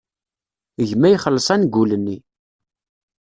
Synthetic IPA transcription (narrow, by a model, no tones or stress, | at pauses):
əʝmæjχəlːəsˤænɡʷulənːi